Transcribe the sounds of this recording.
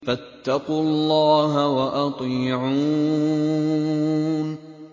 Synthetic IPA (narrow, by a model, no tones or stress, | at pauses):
fat̪ːɑquːlːɑːɦawaʔɑt̪ˤɨʕu | n